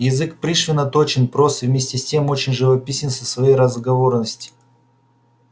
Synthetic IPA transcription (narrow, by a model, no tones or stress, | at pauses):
jɪzɨkpɾʲiʂvʲɪnət̪o̞t͡ɕɪnpɾosɨvmʲesʲtʲɪsʲtʲe̞mo̞t͡ɕɪnʲʐɨvɐpʲisʲɪnsəsvɐjejɾəzɡɐvo̞rnəsʲtʲɪ̥